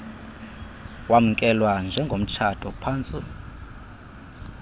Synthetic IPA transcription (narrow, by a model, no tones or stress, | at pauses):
wam̩kʼɛlwand͡ʒʱɛŋɡʱom̩t͡ʃʰatʰʼɔpʰaːnt͡sʼi